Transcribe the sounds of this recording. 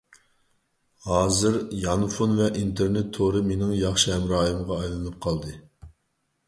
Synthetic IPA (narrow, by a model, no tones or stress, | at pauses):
hɑːzɨɾjɑnfonvɛʔint̪ʰeɾnɪt̪ʰːoɾɨmenɪŋjɑχʃiɦɛmɾɑːjɨmʁɑːjlˠɨnɨp̚qʰɑlˠd̪ɨ